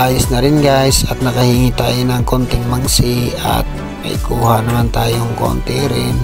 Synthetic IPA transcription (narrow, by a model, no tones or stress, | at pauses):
ʔaːjʊsnɐɾɪnɡaɪsɐt̪̚nɐkɐhiːŋit̪a̰ːjonɐŋkont̪ɪŋmaŋsia̰t̪̚ | mɐ̰jkuːhanɐmant̪aːjoŋko̰nt̪iɾɪn